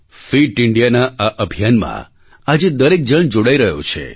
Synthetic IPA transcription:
fiʈɪɳɖijanaaʔəbʱijanmã̰ | ad͡ʒed̪əɾek̚d͡ʒəɳd͡ʒoɽaiɾəɦjo̰t͡ʃʰḛ

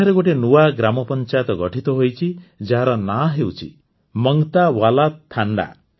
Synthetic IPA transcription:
eɾeɡoʈenuwaɡɾamɔpɔnt͡ʃajɔt̪ɔɡɔʈʰit̪ɔɦojt͡ʃʰid͡ʒaɦaɾɔnaɦewt͡ʃʰḭ | mɔŋt̪awalat̪ʰːaɳɖa̰

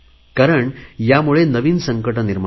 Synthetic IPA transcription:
kaɾəɳjamuɭenəʋiːnsəŋkəʈəniɾm

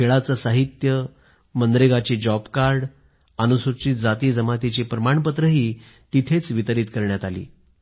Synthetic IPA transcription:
kʰeɭat͡səsaɦit̪jə | mənd̪ɾeɡat͡ɕiːd͡ʑɔbkaɾɖ | anusuɾt͡ɕiːd͡zat̪iːd͡zəmat̪it͡ɕiːpɾəmaɳpət̪ɾəɦiː | t̪it̪ʰet͡sʋit̪əɾiːt̪kəɾɳjat̪alḭː

